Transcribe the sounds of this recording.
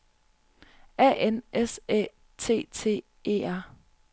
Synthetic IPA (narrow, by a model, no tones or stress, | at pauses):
ɛ̰ʔenʔese | t͡sʰe̝̰ːt͡sʰe̝̰ː | e̝̰ːæɐ̰